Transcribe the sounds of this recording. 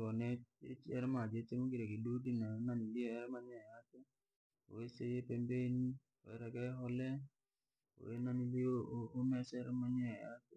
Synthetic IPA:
ɔnɛet͡ʃɛɾɛmad͡ʒetemoɡiɾekidodinananiliɔɛɾɛmaɲɛatɛ | o̰wesejepembeni | oɛɾɛkɛɦɔlɛ | o̰enanilioːmɛsɛɾɛmaɲɛja̰te

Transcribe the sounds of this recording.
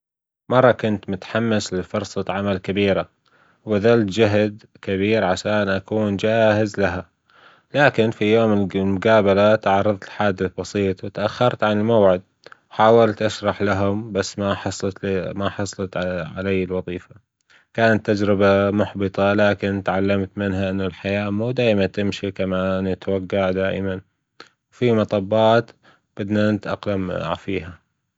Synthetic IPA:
mɑrˤːɑkʊnt̪mʊt̪ħamːɪslɪfʊɾsˤɑʕamalkabiːɾa | wbad̪alt̪d͡ʒaɦd̪ | kabiːɾʕaʃaːnʔakuːnd͡ʒaːhɪzlaɦa | laːkɪnfijoːmɪlmʊɡaːbalat̪ʕɑɾˤːɨðˤt̪lħaːd̪ːɪbɑsˤiːt̪ˤwɪt̪ʔaxːɑɾˤt̪ʕanɪlmawʕɪd̪̚ | wħaːwalt̪ʔaʃɾˤɑħlaɦʊmbasːmaħɑsˤlmaħɑsˤlɑt̪ʕa̰lajːɪlwɑðˤiːfa | kaːnat̪ːad͡ʒɾɪbamʊħbɨt̪ˤɑlaːkɪnt̪ʕalːamt̪mɪnɦaʔɪnːalħajaːmuːd̪aːʔmant̪ɪmʃikamaːnɪt̪waɡːaʕd̪aːʔɪman | wfimɑt̪ˤɑbːɑːt̪ | b̥ɪd̪nanɪt̪ʔa̰qlamfiːɦa

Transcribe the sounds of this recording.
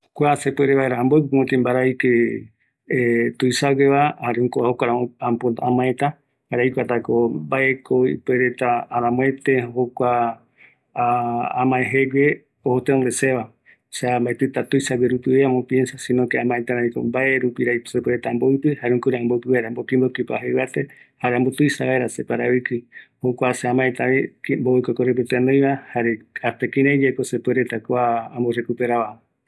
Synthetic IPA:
kʷasepeɾeβaeɾaːmbowpɨmot̪imbaɾajke | et̪ujsaɡeβahaɾeũŋkoahokʷaɾaampoamãet̪a | haɾajkʷat̪akobaʔekʰoḭpeɾet̪aːɾãmõet̪ehokʷa | amãeɦeɡʷe | ohot̪eond̪eseβa | seambaet̪ɨt̪at̪ujsaɡeɾut̪ɨeamõpje̞nsasĩnõkeãmãet̪aɾaiko̰mbaʔeɾupiɾaisepweɾet̪aːmboɨpɨhaɾeũkuɾeãmbowpɨβaɾambokĩmbokipa̰ɦeβat̪ehaɾeãmbot̪ujsaβaeɾasepaɾaβikɨhokʷaseãmãet̪aikmbookʷakoɾep̬et̪eanõj̃βahaɾeat̪ekĩɾãjd͡ʒekosepeɾet̪akoaãmborekupeɾaβa

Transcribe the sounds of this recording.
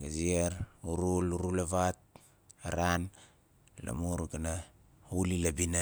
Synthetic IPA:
ɡad͡ʒieɾuɾuluɾulaβat̚ | aɾan | la̰muɾɡana | ulilabina

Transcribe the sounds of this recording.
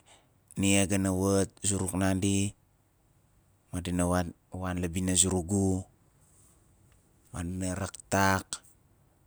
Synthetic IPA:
niaɡanawət̚zuɾuknandi | madinaa | wanlabinazuɾuɡu | madinaɾaktak

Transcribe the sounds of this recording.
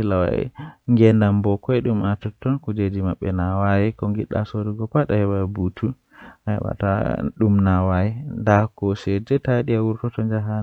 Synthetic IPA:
ilawa̰ŋɡɛndambɔkɔjɗumatutːɔnkud͡ʒed͡ʒimaɓːɛ̰nawajikɔŋɡiɗːa̰soduɡɔkaɗahɛbabutʰu | ʔaɛ̰wa̰ta̰ɗumnawajindakɔsɛd͡ʒɛtaɗiawuɾtɔtɔnd͡ʒaɦan

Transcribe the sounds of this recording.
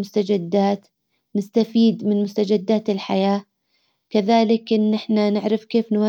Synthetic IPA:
mʊst̪ad͡ʒɪd̪ːaːt̪ | nɪst̪afiːd̪mɪnmʊst̪ad͡ʒɪd̪ːaːt̪ɪlħajaː | kaðaːlɪkʔɪnːɪħnanɪʕɾɪfkeːfnwa

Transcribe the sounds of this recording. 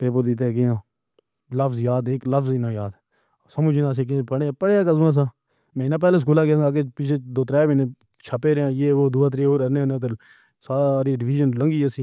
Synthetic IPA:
peːp̬əɾd̪it̪̬eːɡɪjãː | ləfzjaːd̪eːkləfʰzɪnãːjaːd̪ | səmʊd͡ʒɪnaːs̬eːk̬epəɽeːpəɽeːaːkəzmãːs̬ãː | mɛ̃ːɪnãːp̬ɛːleːs̬kuːlaːkãaːkeːpɪt͡ʃʰeːd̪oːt̪ɾɛːbenẽː | t͡ʃʰəpeːɾejãːjeːʋoːd̪ʊːaːt̪̬ɾeːoːɾəneːnẽːt̪ə | saːɾiːɖɪʋiːd͡ʒənləŋɡiːesĩː

